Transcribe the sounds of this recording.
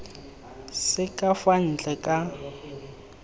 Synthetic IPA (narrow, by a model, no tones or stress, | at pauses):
sɪkʼafan̩t͡ɬʼɛkʼa